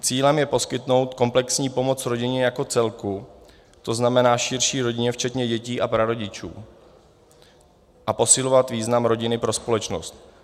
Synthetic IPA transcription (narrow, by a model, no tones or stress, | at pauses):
t͡siːlɛmjɛpo̞skɪt̪no̞wt̪ko̞mplɛksɲiːpo̞mo̞t͡sɾo̞ɟɪɲɛjako̞t͡sɛlku | t̪o̞znamɛnaːʃɪɾʃiːɾo̞ɟɪɲɛft͡ʃɛt̪ɲɛɟɛciːʔapɾaɾo̞ɟɪt͡ʃṵː | ʔapo̞sɪlo̞vat̪viːznamɾo̞ɟɪnɪpɾo̞spo̞lɛt͡ʃno̞̰st̪